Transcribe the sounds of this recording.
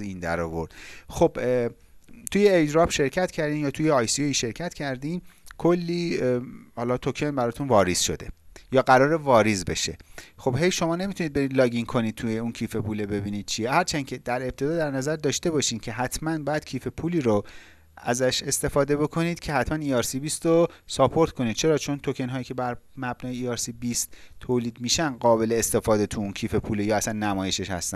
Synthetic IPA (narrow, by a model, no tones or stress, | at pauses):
ind̪æ̰ɾɒ̰ːvo̞̰ɾd̪̥xob | t̪ʰuːjeːd͡ʒɾɒːb̥ʃe̞ɾcʰæt̪cʰæɾd̪iːmjɒːt̪ʰuːjeɒːjsioiʃe̞ɾcʰæt̪cʰæɾd̪iːmkʰo̞lːiː | hɒːlɒːt̪ʰokʰenbæɾɒːt̪ʰunvɒːɾiz̥ʃo̞̰d̪e̞̰jɒːɡæɾɒːɾevɒːɾizbe̞̰ʃḛxo̞b̥he̞jʃo̞mɒːne̞mit̪ʰunid̪̚beid̪lɒːɡiŋkʰo̞niːd̪̚t̪ʰujeuncʰiːfe̞puːlebe̞biːniːd̪̥̚t͡ʃʰiehæɾt͡ʃʰæncʰe̞d̪̥æɾe̞b̚t̪ʰe̞d̪ɒːd̪æɾnæzæɾd̪ɒːʃt̪e̞bɒːʃiːmcʰe̞ɦæt̪ʰmænbɒːjæd̪̥̚cʰiːfe̞pʰuːliːɾo | æ̰zæʃe̞st̪e̞fɒːd̪e̞bo̞kʰo̞niːd̪̥cʰe̞hæt̪ʰmæniːɒːɾsibiːst̪ɾosɒpʰo̞ɾt̪kʰo̞niːd̪̚t͡ʃʰe̞ɾɒːt͡ʃʰo̞nt̪ʰo̞cʰenɦɒːjiːcʰe̞bæɾmæbnɒːjeiːɒɾsibist̪ʰːoːliːd̪miːʃænɢɒːbe̞le̞ːst̪e̞fɒːd̪e̞t̪ʰuuncʰiːfe̞pʰuːlejɒːæsænːæmɒːjeʃeʃhæ̰st̪æ̰n